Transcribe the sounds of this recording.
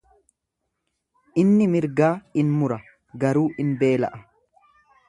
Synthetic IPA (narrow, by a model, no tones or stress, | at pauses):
ʔɪnːɪmɪɾɡaːɪnmʊɾɐ | ɡɐɾuːʔɪnbe̞ːlɐ̰ʔɐ